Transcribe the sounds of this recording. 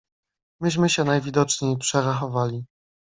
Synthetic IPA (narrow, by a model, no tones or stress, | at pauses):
mɘʑmɘɕɛnajvʲid̪ɔt͡ʂɲejpʂɛɾaxɔvalʲi